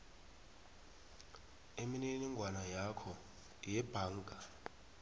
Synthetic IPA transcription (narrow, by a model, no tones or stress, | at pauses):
emininiŋɡʱwanajakʰɔ | jɛb̥ʱaːŋɡʱa